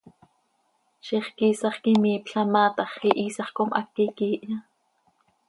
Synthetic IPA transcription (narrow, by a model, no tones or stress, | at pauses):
ʃiχkiːsɑχkimiːpɬɑmɑːt̪ɑχiʔiːsɑχkomʔɑ̰kːikiːʔjɑ